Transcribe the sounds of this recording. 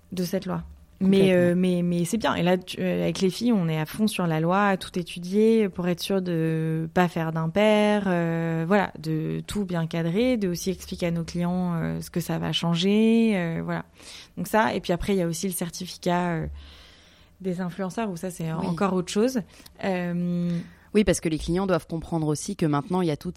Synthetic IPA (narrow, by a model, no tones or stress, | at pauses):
d̪əsɛt̪lwa | mɛømɛmɛsɛbjɛ̃ʔḛlat̪yøavɛklefijɔ̃nɛafɔ̃syʁlalwaːt̪u̥t̪et̪ʰyd̪jepuʁɛt̪χə̥syʁd̪əpafɛʁd̪ɛ̃pɛʁøvwala̰d̪ət̪ʰubjɛ̃kad̪ʁed̪əosiɛksplikʲeanoklijɑ̃øsə̥kəsava̰ʃɑ̃ʒeøvwala̰d̪̥ɔ̃ksaḛpɥiapχɛiljaosiləsɛʁt̪ifi̥kʲaø | d̪ezɛ̃flyɑ̃sœʁusasɛɑ̰̃kɔʁot̪χəʃozøm | wipaʁsə̥kəleklijɑ̃d̪wav̥kɔ̃pχɑ̃d̪ʁosikəmɛ̃t̪nɑ̃iljat̪ut̪